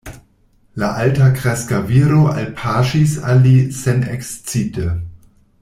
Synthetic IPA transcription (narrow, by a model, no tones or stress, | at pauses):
laʔaltakɾɛskaviɾoʔa̰lpʰaʃisalisɛnɛkst͡sitə